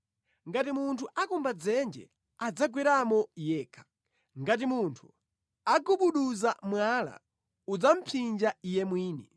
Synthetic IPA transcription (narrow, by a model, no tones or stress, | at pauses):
ŋɡatimuntʰuʔakumbad͡zɛnd͡ʒɛ̰ | ad͡zaɡwiɾamɔjɛːkʰḁ | ŋɡat̬imuntʰu̥ | aɡuɓuɗuzamwala̰ | ud͡zam̩pʰind͡ʒaijɛmwiːni